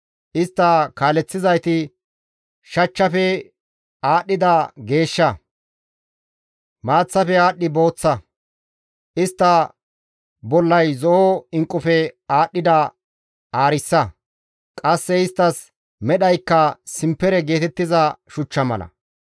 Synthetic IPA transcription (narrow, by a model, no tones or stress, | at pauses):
ʔɪst̪ːɐkaːlɛt͡sːɪzɐjt̪ɪ | ʃɐt͡ʃːɐfɛ | aːɗːɪd̪ɐɡe̞ːʃːɐ | maːt͡sːɐfɛaːɗːɪbo̞ːt͡sːɐ | ʔɪst̪ːɐ | bɔlːɐjzɔɔɪŋkʼːʊfɛaːɗːɪd̪ɐ | aːɾɪsːɐ | kʼɐsːɛɪst̪ːɐs | mɛɗɐjkːɐsɪmpːɛɾɛɡe̞ːt̪ɛt̪ːɪzɐʃʊt͡ʃːɐmɐ̰lɐ̰